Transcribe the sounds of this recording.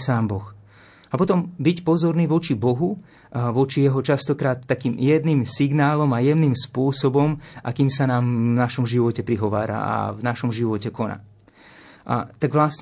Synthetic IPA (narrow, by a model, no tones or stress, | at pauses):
saːmbɔx | apɔt̪ɔmbicpɔzɔɾniːʋɔt͡ʃibɔɦu | ʋɔt͡ʃijɛɦɔt͡ʃast̪ɔkɾaːt̪ːakiːmjɛd̪niːmsiɡnaːlɔmajɛʊniːmspʊɔsɔbɔmʔakiːmsanaːmvnaʃɔmʒiʋɔcɛpɾiɦɔʋa̰ːɾa̰a̰vnaʃɔmʒiʋɔcɛkɔna̰ː | ʔa̰t̪aɡʋlas